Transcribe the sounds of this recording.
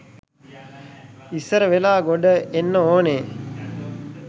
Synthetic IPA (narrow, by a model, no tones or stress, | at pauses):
isəɾəʋelaːɡoɖəʔenːəoːneː